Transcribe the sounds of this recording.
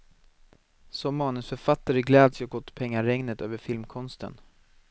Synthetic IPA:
sɔmːɑːnɵsfœɾfat̪ːaɾəɡlɛːd̪sɑɡɔt̪ːpʰɛŋːaɾɛŋnət̪ø̰ːvəɾfɪlmkʰɔnst̪ə̰n

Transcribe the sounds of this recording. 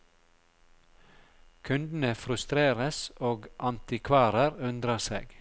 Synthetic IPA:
kʰʉnd̪n̩əfɾʉst̪ɾeːɾəsoːɡʔɑnt̪ɪkʰʋɑːɾəɾʉnd̪ɾəsḛːɡ̥

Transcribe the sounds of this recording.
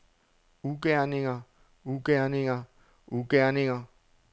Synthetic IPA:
ukɛanɪŋa | ukɛaniŋa | ukɛanɪŋa

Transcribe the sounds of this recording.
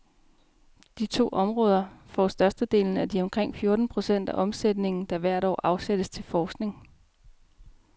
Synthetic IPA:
d̥it͡sʰo̝̰ːʔɒ̽mʁɔ̽ːð̞ˠɐfɒ̰sd̥ɶɐsd̥əd̥e̝̰ːln̩æd̥iɒ̽mkʰʁeŋ̰fjo̝ɐd̥n̩pʰʁo̝sen̰d̥æʔɒ̽msed̥ne̝ŋn̩d̥ɑ̈ʋæɐ̰ɾ̥ɒ̰ːʔɑ̈ʊsed̥əst͡sʰe̝lfɒːsɡ̥ne̝ŋ

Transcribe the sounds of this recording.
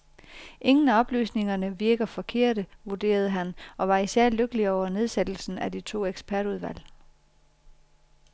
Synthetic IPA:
ʔe̝ŋn̩æɒ̽b̥ly̰ːsne̝ŋɐnəʋiɐɡ̥ɐfɒ̽kʰe̝̰ɐ̰ɾ̥əʋuɐd̥e̝̰ːɐð̞ˠɦænɒ̽ʋɑ̈isæɐ̰løɡ̥əliɒʊɐne̝ð̞ˠsed̥l̩sn̩ædit͡sʰo̝̰ːeɡ̥sb̥ʰæɐɾ̥uð̞ˠʋæl̰

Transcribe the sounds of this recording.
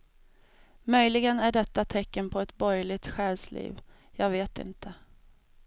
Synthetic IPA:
mœjlɪɡənæɖɛt̪ːat̪ʰɛkːənpʰɔɛt̪bɔɾjlɪt̪ɧɛːlslḭːv | jɑːɡveːt̪ɪ̰nt̪ʰə

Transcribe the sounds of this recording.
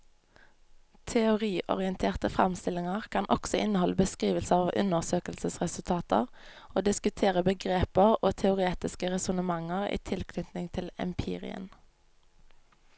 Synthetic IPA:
t̪ʰɛʊʁiːʔɔ̰ʁɪənt̪ʰeːʁt̪əfʁɑ̰mst̪ɪlɪŋəʁkʰɑnʔɔ̰ksɔʔɪnəhɔləbəskʁiːʋəlsəɑːʋʔʉ̰nəʁsøːkəlsəsʁɛsʉlt̪ʰɑːt̪ə̰ʁ | ʔoːd̪ɪskʉt̪ʰeːʁəbəɡʁeːpəʁoːt̪ʰɛʊʁeːt̪ɪskəʁɛsʊnəmɑŋəʁḭːt̪ʰɪlkʰnʏt̪nɪŋt̪ʰɪlɛ̰mpʰḭːʁɪ̰ə̰n

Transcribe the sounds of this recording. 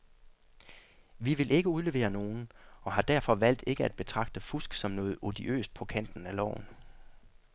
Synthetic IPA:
ʋiʋe̝lʔe̝ɡ̥əuðˠle̝ʋe̝̰ːɐno̝ːn̩ɒ̽ɦɑ̈d̥æɐ̰fɒ̽ʋæl̰d̥e̝ɡ̥əæd̥̚b̥e̝t͡sʰʁɑ̈ɡ̥̚d̥əfusɡ̥sɒ̽mnɔ̽ːð̩ˠo̝d̥iʔø̰ːsd̥̚pʰɒ̽kʰæn̰d̥n̩ælɒ̰ʊ̰n̩

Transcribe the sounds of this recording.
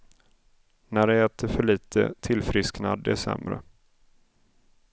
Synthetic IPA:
næɖɛɛːt̪ʰəɾfœɭiːt̪ʰə̰t̪ʰɪlfɾɪsknad̪ːɛsɛ̰mɾə̰

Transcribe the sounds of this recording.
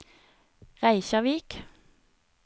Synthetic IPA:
ʁæɪçɑʋiːk

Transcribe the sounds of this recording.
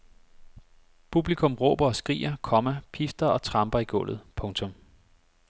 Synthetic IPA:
pʰub̥likʰɔ̽mʁɔ̰ːb̥ɐɒ̽sɡ̥ʁḭːɐkʰɒ̽mæpʰifd̥ɐɒ̽t͡sʰʁɑ̈mb̥ɐiɡ̥ɔ̽l̰ð̩ˠpʰɔ̽ŋt͡sʰɔ̽m

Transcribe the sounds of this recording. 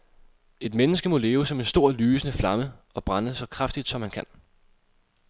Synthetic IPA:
e̝d̥menəsɡ̥əmɔ̽le̝ːʊsɒ̽me̝nsd̥o̝ɐ̰lyːsənəflɑ̈məɒ̽b̥ʁɑnəsɒ̽kʰʁafd̥id̥sɒ̽mhænkʰæn

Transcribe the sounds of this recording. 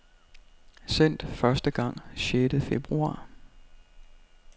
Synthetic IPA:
sen̰d̥fɶɐsd̥əɡ̥ɑ̈ŋ̰ɕeːd̥əð̩ˠfeb̥ʁuɑ̰̈ː

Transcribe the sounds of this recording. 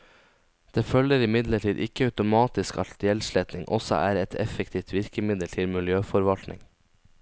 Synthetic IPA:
d̪̥eːfœləɾɪmɪd̪ləʈʰiːd̪ʔɪ̰kəɑʉt̪ʊmɑːt̪ɪskɑ̰lt̪ɪɛlʃlɛt̪nɪŋʔɔ̰sɔ̰ʔæ̰ːɾɛt̪ʰɛfəkt̪ʰiːft̪ʋɪɾkəmɪd̪əlt̪ʰɪlmɪljøːfɔɾʋɑlt̪nʔɪ̰ŋ

